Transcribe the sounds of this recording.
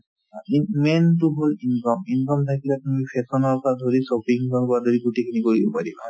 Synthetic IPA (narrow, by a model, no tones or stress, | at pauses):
aimɛntuɦolinkɔminkɔmtʰakilakumipʰɛsɔnɔɹpɔadʱoɹisɔpiŋkɔɹpɔɹadʱoɹiɡutikʰinikoɹibɔpadiba